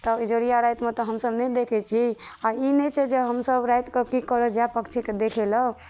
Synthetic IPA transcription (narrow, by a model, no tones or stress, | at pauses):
t̪ɔid͡ʒoɾijaɾajt̪met̪ɔɦəmsəbnɛd̪ekʰɛt͡ʃʰiainɛt͡ʃʰɛd͡ʒeɦəmsəbɾajt̪kekikəɾəd͡ʒapəkt͡ʃʰiked̪ekʰelə